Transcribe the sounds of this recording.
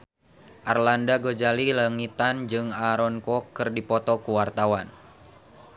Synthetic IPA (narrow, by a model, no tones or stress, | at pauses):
ʔarlandaɡod͡ʒalilaŋit̪and͡ʒɨŋaɾɔnkɔkɨrdipɔt̪ɔkuwart̪awan